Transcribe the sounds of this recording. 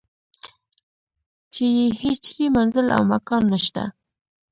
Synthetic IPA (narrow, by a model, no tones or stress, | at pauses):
t͡ʃejehet͡ʃɾimanzəla̰wmakɑnːaʃt̪a̰